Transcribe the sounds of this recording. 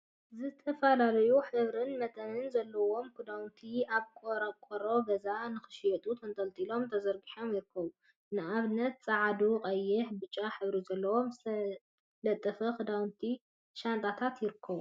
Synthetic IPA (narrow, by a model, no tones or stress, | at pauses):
zɨt̪ʰɐfɐlalɐjuħɨβɾɨnmɐt̪ʼɐnɨnzɐlːɐwo̞mkʰɨd̪awnt̪ʰiaβkʼoɾkʷʼoɾo̞ɡɐzanɨxɨ̥ʃjɛt̪ʼut̪ʰɐnt̪ʰʼɐlt̪ʼilo̞mt̪ʰɐzɐɾɡiħo̞mjɪɾɨkʰːɐβu | nɨʔaβnɐt̪t͡sʼaʕd̪uqʼɐjːɪħbɨt͡ʃʼːaħɨβɾizɐlːɐwo̞mt̪ʰɐ | lɐt̪ʼːɐfɐkɨd̪awnt̪ʰi | ʃant̪ʼat̪ʰat̪jɪɾɨkʰːɐβu